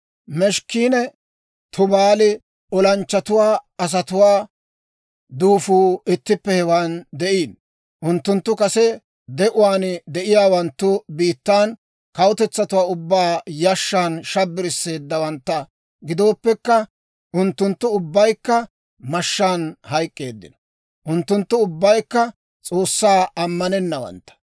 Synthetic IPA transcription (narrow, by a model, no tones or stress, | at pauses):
mɛʃkiːnɛ | t̪ʰʊbaːlɪ | ɔlɐnt͡ʃːɐt̪ʊwaːɐs̬ɐt̪ʊwaː | d̪uːfuːɪt̪ːɪpːɛhɛwaːnd̪ɛʔiːn | ʔʊnt̪ːʊnt̪ːʊkɐsɛ | d̪ɛʔʊwaːnd̪ɛʔɪjaːwɐnt̪ːʊbiːt̪ːan | kɐwʊt̪ɛt͡sːɐt̪ʊwaːʊbːaːjɐʃːaːnʃɐbːɪɾɪsːe̞ːd̪ːɐwɐnt̪ːɐ | ɡɪd̪o̞ːpːɛkːɐ | ʔʊnt̪ːʊnt̪ːʊʊbːɐjkːɐ | mɐʃːaːnhɐjkʼːe̞ːd̪ːɪ̰nɔ̥ | ʔʊnt̪ːʊnt̪ːʊʊbːɐjkːɐ | t͡sʼo̞ːsːaːɐmːɐnɛnːɐwɐ̰nt̪ːɐ̥